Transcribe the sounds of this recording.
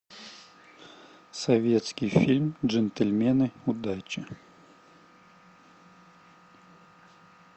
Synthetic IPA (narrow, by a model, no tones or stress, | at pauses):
sɐvʲet̪skʲijfʲilʲmʐɛnt̪ɛlʲmʲɛnɨʊd̪at͡ɕɪ